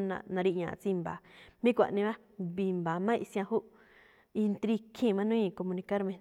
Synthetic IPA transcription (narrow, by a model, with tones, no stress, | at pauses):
nã̰˧nã˧ɾi˧ʔɲã̰˨t͡si˧mba˨mĩ˦kʷa̰˨ʔnĩ˧βa˦ | bi˧˨mbaː˨mã˦ʔi˧sj̃ã˧hu˦ʔ | i˧nt̪ɾi˧kʰĩ˦˧˨mã˦nũ˦ĩ˧ko˧mũ˧nĩ˧ka˦ɾmẽ˧